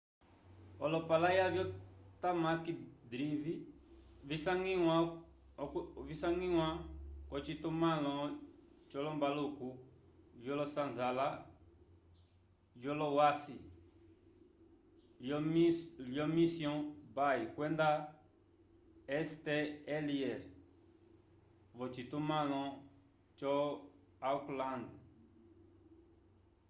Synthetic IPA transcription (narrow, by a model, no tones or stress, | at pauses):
ɔlɔpalajavjɔt̪amakid̪ɾivivisaŋiwa | visaŋiwakɔt͡ʃit̪umalɔ̃t͡ʃɔlɔmbalukuvjɔlɔsanzala | vjɔlɔwasi | ljɔmisjɔ̃bajikwɛ̃nd̪a | ɛst̪eeliɛɾ | vɔt͡ʃit̪umãlɔ̃ | t͡ʃɔ | auklãnd̪